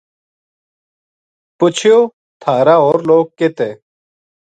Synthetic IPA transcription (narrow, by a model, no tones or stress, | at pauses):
pʊt͡ɕʰijoː | t̪ʰaːɾaoːɾloːk̚kːet̪eː